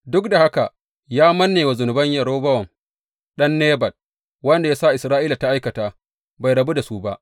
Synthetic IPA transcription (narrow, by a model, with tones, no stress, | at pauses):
dʊ˦kda˨ha˦ka˨ | jaː˦mɐ˦nːeː˨wa˨zʊ˨nʊ˨bɐ˦ɲjɐ˨ɾoː˦bɐ˦wɐ˨ŋ | ɗɐ˦nːeː˦bɐ˨t̚ | wɐ˦nda˨jaː˦sa˦˨ʔɪ˨sɾaː˦ʔiː˦la˨ta˦ʔa˦jkɐ˨taː˦ | ba˨jɾɐ˨bu˦da˨su˦ba˦ʔ